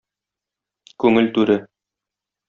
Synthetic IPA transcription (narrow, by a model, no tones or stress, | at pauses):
kʉŋɘlt̪ʉɾɘ